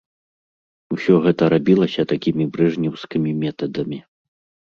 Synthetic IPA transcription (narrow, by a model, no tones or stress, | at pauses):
usʲɔɣɛt̪ɐɾabʲilˠɐsʲɐt̪akʲimʲibɾɛʐnʲɛwskʲimʲimʲɛt̪ɐd̪ɐmʲi